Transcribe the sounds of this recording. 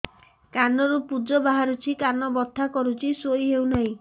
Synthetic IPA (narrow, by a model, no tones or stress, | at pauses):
kanɔɾupud͡ʒɔbaɦaɾut͡ʃʰikanɔbɔt̪ʰːakɔɾut͡ʃʰisojɦewnaɦĩ